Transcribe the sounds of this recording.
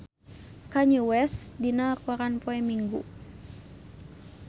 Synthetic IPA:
kaɲuwɛsdinakɔɾanpoɛmiŋɡṵ

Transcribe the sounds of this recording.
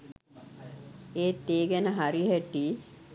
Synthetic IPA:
eːt̪eːɡɛnəɦaɾiɦɛʈi

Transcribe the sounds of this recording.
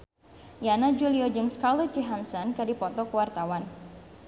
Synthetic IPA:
janad͡ʒuliɔd͡ʒɨŋskaləd͡ʒɔɦansɔnkadipɔt̪ɔkəwart̪awan

